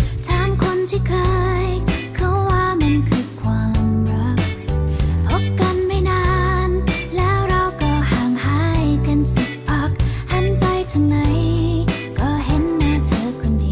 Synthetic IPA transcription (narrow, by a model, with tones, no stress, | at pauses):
t̪ʰaː˨˧˥mkʰo˧nt̪ʰiː˧˩kʰɤː˧jjkʰa˧˥waː˧˩ma˧nkʰɯː˧kʰwaː˧mɾa˦˥k̚ | pʰo˦˥p̚ka˧nma˥˩jnaː˧˥nlɛː˦˥wɾa˧wkɔː˧˩haː˨˧˩ŋhaː˧˥˩jka˧nsi˨˧˩k̚pa˧˩k̚ha˧˥npa˧jt̪ʰa˧ŋna˧˦j | kɔː˧˩ɦe˨˦˥nːaː˧˩t̪ʰɤː˧˦kʰu˧ndiː˨˧